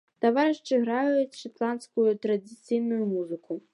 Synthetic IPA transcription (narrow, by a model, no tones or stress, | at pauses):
t̪avaɾɨʂt͡ʂɨɣɾajɐjut͡sʲʂat̪lˠanskujut̪ɾɐd̪ʲɨt̪sɨjnujumuzɨkʰu